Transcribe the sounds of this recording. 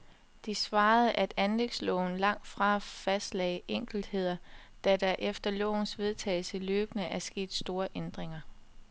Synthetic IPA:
d̥isʋɑ̈ːð̩ˠʔæd̥ænleɡ̥slɔ̰̽ʊn̩lɑ̈ŋ̰d̥fʁɑ̈fæsd̥lɛ̰ɪʔeŋ̰ɡ̥l̩d̥he̝ð̞̰ˠɐ | d̥æd̥æɐʔefd̥ɐlɔ̰ʊ̰n̩sʋe̝ð̞ˠt͡sʰɛ̰ːl̩səløːb̥nəʔæɐsɡ̥e̝̰ːd̥sd̥o̝ːɐʔend̥ʁeŋɐ

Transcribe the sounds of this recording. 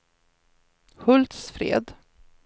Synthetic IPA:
hɵlt̪sfɾḛːd̪

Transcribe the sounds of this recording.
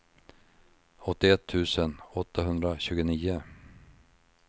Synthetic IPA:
ɔt̪ːɪɛt̪ʰːʉ̟ːsənɔt̪ʰːaɦɵnd̪ɾaɕʉ̟ːɡəniːʊ

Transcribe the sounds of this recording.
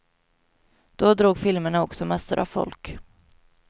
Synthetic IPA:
d̪̥ɔd̪ɾuːɡfɪlməɳaɔksɔmɛsʊɾʔa̰vfɔ̰lk

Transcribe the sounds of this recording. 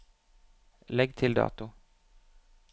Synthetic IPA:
lɛɡ̚t̪ʰɪld̪ɑ̰ːt̪ʊ

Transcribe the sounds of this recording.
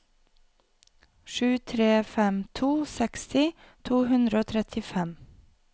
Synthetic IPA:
ʃʉːt̪ʰɾeːfɛmt̪ʰuːsɛkst̪ɪ | t̪ʰuːhʉnd̪ɾəoːt̪ʰɾɛt̪ʰɪfɛm

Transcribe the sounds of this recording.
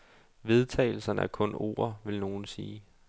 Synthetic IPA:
ʋe̝ð̞ˠt͡sʰɛ̰ɪl̩sɐnəæɐkʰɔ̽no̝̰ːɐʋe̝lno̝ːn̩siː

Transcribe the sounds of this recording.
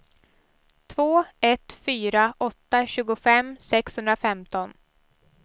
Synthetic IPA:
t̪ʰvoːɛt̪fyːɾaʔɔt̪ːaɕʉ̟ːɡʊfɛmsɛkshɵnd̪ɾafɛmt̪ɔn

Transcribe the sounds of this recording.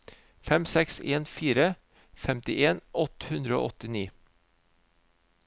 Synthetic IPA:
fɛmsɛkseːnfiːɾə | fɛmt̪ɪʔeːnʔɔt̪əhʉnd̪ɾəo̰ːʔɔt̪ɪniː

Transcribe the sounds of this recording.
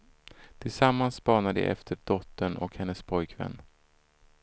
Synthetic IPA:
t̪ʰɪlsamːanspɑːnad̪ɛ̰ʔɛ̰ft̪ʰəɖɔt̪ːəɳɔ̰khɛnːəspʰɔjkʰvɛ̰nː

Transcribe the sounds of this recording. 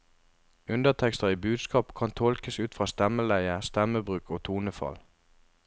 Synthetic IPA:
ʉnd̪ət̪ʰɛkst̪əʁiːbʉːd̪skɑːpkʰɑnt̪ʰɔlkəsʉːt̪fʁɑːst̪ɛməlæɪəst̪ɛməbʁʉːkʰoːt̪ʰuːnəfɑ̰l

